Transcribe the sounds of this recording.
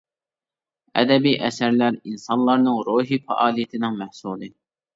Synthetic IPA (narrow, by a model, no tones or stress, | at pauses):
ɛ̰d̪ɛbiʔɛsæɾlæɾinsɑnlˠɑɾnɨŋɾoːɦifɛ̰ʔɑːlˠijet̪ʰɪnɨŋmæhsulˠɨ